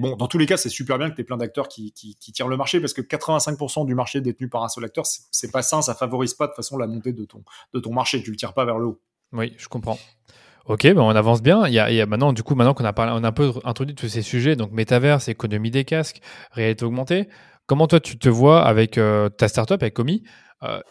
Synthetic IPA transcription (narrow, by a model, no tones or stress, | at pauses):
bɔ̃d̪ɑ̃t̪ulekasɛsypɛʁbjɛ̃kət̪yɛplɛ̃d̪ak̚t̪œʁkʲikʲikʲit̪jɛ̃ʁ̃ləmaʁʃepaʁsə̥kəkat̪χəvɛ̃sɛ̃ŋk̚puʁsɑ̃d̪ymaʁʃed̪et̪nypaʁɛ̃sœlak̚t̪œʁsɛ̥sɛpasɛ̃safavɔʁizpad̪əfasɔ̃lamɔ̃t̪ed̪ət̪ɔ̰̃d̪̥ət̪ɔ̃maʁʃet̪ylət̪jɛ̃ʁpavɛʁləo | wiʒ̥ə̥kɔ̃pχɑ̃ | ɔkʲebɛɔ̃navɑ̃s̬bjɛ̃ija̰ʔjamɛ̃t̪nɑ̃d̪ykumɛ̃t̪nɑ̃kɔ̃napaʁleɔ̃naɛ̃pøɛ̃t̪χod̪ɥid̪t̪usesyʒɛd̪ɔ̃k̚met̪avɛʁsekɔnɔmid̪ekaskʁealit̪eɔɡmɑ̃t̪e | kɔmɑ̃t̪wat̪ʰyt̪əvwaa̰vɛkøt̪ast̪aʁt̪œpavɛkɔmi | ø̰